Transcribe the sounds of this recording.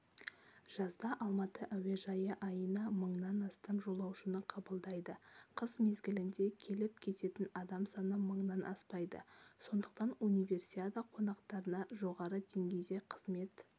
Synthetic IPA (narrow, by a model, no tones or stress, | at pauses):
ʒ̥ɑzd̪ɑʔɑlˠmɑt̪əʔæwe̞ʒɑjəʔɑjənɑməɴnɑnɑst̪ɑmʒo̞lˠɑwʃənəqʰɑbəlˠd̪ɑjd̪əqʰəzme̞zɡʲɪlɪnd̪e̞kʲʰe̞lɪp̚kʲʰe̞t̪e̞t̪ɪnɑd̪ɑmsɑnəməɴnɑnʔɑspɑjd̪ə̰so̞nd̪əq̚t̪ɑnunʲijvʲe̞rsiad̪aqʰo̞nɑqt̪ɑɾənɑʒo̞ʁɑɾəd̪e̞ŋɡʲe̞jd̪e̞qʰəzme̞t̪